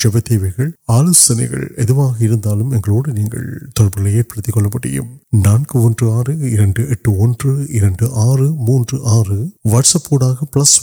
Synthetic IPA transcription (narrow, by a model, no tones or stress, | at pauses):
d͡ʒɛbɐt̪ːeːʋɐɣɐɭaːlɐsɐnɐɪɣɐ̰ɭɛðɯʋaːɣɐɪɾɯnd̪aːlɯmɛŋɡɐɭoːɽɯniːŋɡɐ̰ɭt̪ɔɻɐbɐɾɪlɐeːrpɐɽɯt̪ːikːɔɭːɐpːɐʈːɪ̰jɯ̰mnaːnkɯɔndrɯaːrɯɪɾɐɳɖɯɛʈːɯɔndrɯɪɾɐɳɖɯʔaːrɯmuːndrɯʔaːrɯʋɐʈsɐpːoːɽaːɣɐpɭɐs